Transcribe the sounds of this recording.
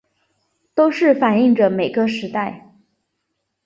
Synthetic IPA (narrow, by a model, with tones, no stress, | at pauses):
t̪o˥ʊʂɻ̩˥˩fa˨˩ni˥˩ŋʈ͡ʂə˩me˨˩ɪɡə˦ʂɻ̩˧˥t̪a˥˩ɪ